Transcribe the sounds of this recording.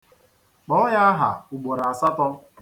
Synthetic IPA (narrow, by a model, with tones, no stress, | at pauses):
k͡pɔ˦ɔ˦ɲa˦a˦ɦa̰˨u˨ɡ͡bo˨ɾa˨a˨sa˦tɔ˦m̩˦